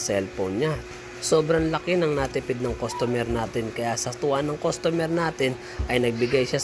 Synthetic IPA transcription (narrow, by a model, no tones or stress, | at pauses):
sɛlponɲa | so̞ːbɾɐŋlɐkɪnɐŋnat̪ɪpɪd̪̚nɐŋkost̪omɛɾnaːt̪ɪnkɐjasɐt̪ʊʔanɐŋkost̪omɛɾnaːt̪ɪn | ʔɐjnɐɡ̚bɪɡajʃa